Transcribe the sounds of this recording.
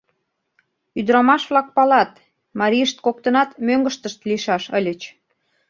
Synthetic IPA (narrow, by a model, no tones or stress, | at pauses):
yd̪ɾɑmɑʃβlɑk̚pɑlɑt̪ | mɑɾʲijəʃt̪̚kok̚t̪ənɑt̪møŋɡəʃt̪əʃt̪liʃɑʃə̰lʲət͡ɕ